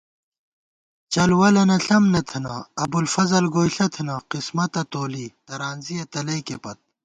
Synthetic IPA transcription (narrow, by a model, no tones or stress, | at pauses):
t͡ɕɐlwɐlɐnɐɬɐmnɐt̪ʰɐnɐɐbulfɐzɐlɡoːjɬɐt̪ʰɐnɐqismɐt̪ɐt̪oːliːt̪ɐɾaːnzijɐt̪ɐlɐjkepɐt̪̚